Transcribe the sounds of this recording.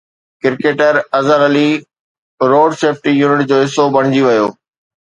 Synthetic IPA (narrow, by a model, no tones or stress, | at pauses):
kɪɾkeːʈəɾɐzəɾɐli | ɾoːɖseːfʰʈijuːnɪʈd͡ʑoːɦɪsːobɐɽ̃ɪd͡ʑiʋɐjoː